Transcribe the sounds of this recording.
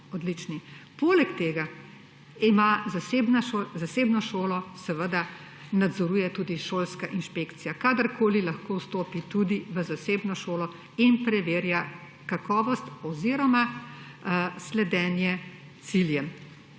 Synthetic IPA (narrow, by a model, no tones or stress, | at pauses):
ɔd̪lit͡ʃnipoːlɛkt̪eːɡa | imazasebnaozaseːbnɔʃoːlɔsɛʋəd̪a | nad̪zɔɾuːjɛt̪uːd̪iʃolskaʔinʃpeːkt̪sijakad̪əɾkʰoːlilɐxkoːwst̪oːpit̪ud̪iʋəzaseːbnɔʃoːlɔ | inpɾɛʋeːɾja | kakɔːʋɔst̪ɔziɾɔma | slɛd̪ɛːnjɛ | t̪siljɛm